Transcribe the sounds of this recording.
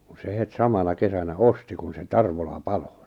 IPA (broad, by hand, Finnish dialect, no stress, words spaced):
kun̞ se het sɑmɑnɑ kesænæ osti kun se tɑrʋolɑ pɑlo